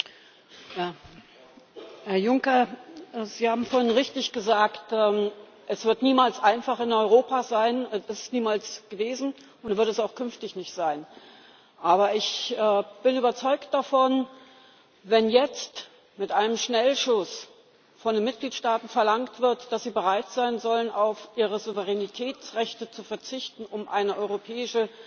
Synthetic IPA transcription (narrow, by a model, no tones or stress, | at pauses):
jaː | hɛɐjʊŋkɐ | ziːhaːbm̩foːɐhɪnʁɪçtɪçɡ̥əzaːktɛː | ʔɛsv̥ɪɐtniːmaːlsʔaɪnfaχɪnɔʏʁ̞oːpazaɪnɛɪssniːmaːlsɡ̥əveːzn̩ | ʊntvɪɐtɛsaʊxkʰʏnftɪçnɪçtz̥aɪn | ʔaːbɐɪçʔɛːb̥ɪnyːbɐt͡sɔʏkt̚d̥afɔn | vɛnjɛt͡st | mɪtʔaɪnəmʃnɛlʃʊs | fɔndenmɪt̚ɡ̥liːtʃtaːtn̩fɛɐlaŋktv̥ɪɐtd̥asz̥iːbəʁ̞aɪtz̥aɪnzɔlənaʊfʔiːʁ̞əzuvəʁɛnitʰɛːt͡sʁɛçtət͡sufɛɐt͡sɪçtn̩ʊmʔa̰ɪnəʔɔʏʁopʰɛːɪʃə